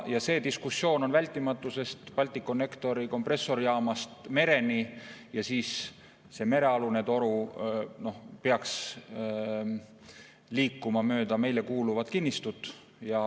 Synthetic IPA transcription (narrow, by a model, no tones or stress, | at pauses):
jɑse̞ːd̪iskusːjo̞ːno̞nvælʲt̪ːˑimɑt̪ːˑuse̞st̪pɑlʲt̪ːˑikːˑonːekt̪o̞ɾiko̞mpre̞sːo̞ɾjɑːmɑst̪me̞ɾe̞nijɑsiːs | se̞ːme̞ɾe̞ɑluned̪o̞ɾuno̞hpeɑks | liːkːumɑmø̞ːd̪̥ɑme̞jle̞kuːluvɑd̪̥kinʲːist̪ut̪ˑ | jɑ